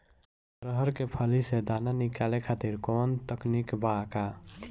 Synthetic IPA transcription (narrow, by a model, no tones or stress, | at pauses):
pɾəɦəɾkepʰəlised̪ananikalekʰat̪iɾkont̪əknikbaka